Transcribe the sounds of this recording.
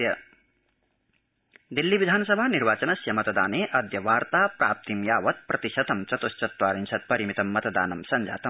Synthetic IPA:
j | d̪ilːibid̪ʱaːnsʌbʱaniɾbaːt͡sɐnɐsjɐmɐt̪ɐd̪aːneʔɐd̪ʱjɐʋaːɾt̪apraːp̚t̪imjaːwɐt̪̚prʔɐt̪isɐt̪ɐmt͡sɐt̪ost͡sɐt̪waːɾint͡sʰɐt̪̚pɐɾimit̪ɐmːɐt̪d̪a̰ːnɐmsɐnd͡za̰ːt̪ɐm

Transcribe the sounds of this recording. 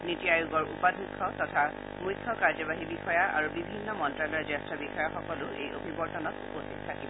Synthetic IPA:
nitijajuɡɔɹupadʱukʰːɔtɔtʰa | mujkʰːɔkaɹzɔβaɦibixɔjaa̰ɹubibʱinːɔmɔntɹalɔɹzastɹɔbixɔjaxɔkɔlʊḛjo̰bʱibɔɹtɔnɔtṵpostit̚tʰakibɔ

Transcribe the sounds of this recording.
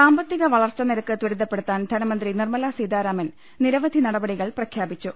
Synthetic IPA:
saːmbɐt̪ːiɣɐʋɐɭɐrt͡ɕːɐniɾɐkːɨt̪wiɾud̪ːɐpːe̞ɽut̪ːaːnd̪ʱɐnɐmɐnd̪rinirmɐlasiːd̪aːɾaːmɐn | niɾɐʋɐd̪ʱinɐɽɐbɐɽiɣɐɭprɐkʰjaːbit͡ɕːu

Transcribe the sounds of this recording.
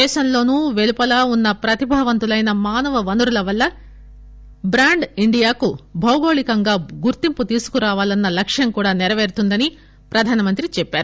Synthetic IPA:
ɛːʃɐmlo̞ːnuːʋe̞lupɐlaːunːɐpɾɐt̪ibʱɐːʋɐnt̪ulɐjnɐmaːnɐʋɐʋɐnuɾulɐʋɐlːɐ | bɾaːɳɖiɳɖijaːkubʱɐwɡo̞ːɭikɐŋɡaːɡuɾt̪imput̪iːsu̥kuɾaːʋaːlɐnːɐlɐkʂjɐŋkuːɽaːnɛɾɐʋeːɾt̪und̪ɐni | pɾɐd̪ʱaːnɐmɐnt̪ɾit͡ʃɛpːaːɾu

